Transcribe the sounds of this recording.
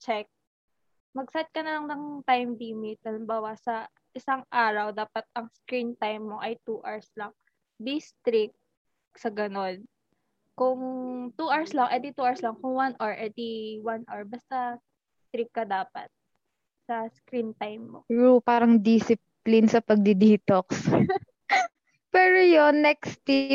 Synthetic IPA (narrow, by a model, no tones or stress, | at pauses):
t͡ʃɛk̚ | mɐɡ̚sɐt̪̚kɐnɐlɐŋnɐŋt̪ajmd̪imɪt̪̚ɐlɪmbaːwɐsɐ | ʔɪsaŋʔaːɾɐwd̪aːpɐt̪̚ɐŋskɾint̪ajmːo̞ʔɐjt̪uːʔaɹslɐŋ | d̪ist̪ɾɪk̚ | sɐɡɐno̞n | kʊŋt̪uʔaɹslɐŋʔɛd̪ɪt̪uʔaɹslɐŋkʊŋwanʔoɹʔɛd̪iwanʔɐɹbɐst̪a | st̪ɾɪkːɐd̪aːpɐ̰t̪̚ | sɐskɾint̪ajmːo̰ɹupaːɾɐŋd̪isɪp | lɪnsɐpɐɡ̚d̪ɪd̪iːt̪oks | pɛːɾojonːɛkst̪i